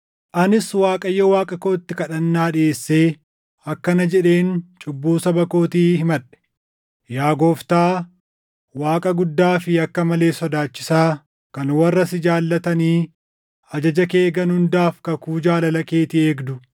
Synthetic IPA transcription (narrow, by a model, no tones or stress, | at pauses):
ʔɐnɪswaːkʼɐjːɔwaːkʼɐkoːɪt̪ːɪkɐᶑɐnːaːᶑɪeːsːe̞ː | ɐkːɐnɐd͡ʒɛᶑe̞ːnt͡ʃʼʊbːuːsɐbɐko̞ːt̪iːhɪmɐᶑɛ̥ | jaːɡo̞ːft̪aː | waːkʼɐɡʊd̪ːaːfɪɐkːɐmɐle̞ːsɔd̪aːt͡ʃːɪsaː | kɐnwɐrːɐsɪd͡ʒaːlːɐt̪ɐniː | ɐd͡ʒɐd͡ʒɐke̞ːɡɐnhʊnd̪aːfkɐkuːd͡ʒaːlɐlɐkeːt̪ɪe̞ːɡd̪ʊ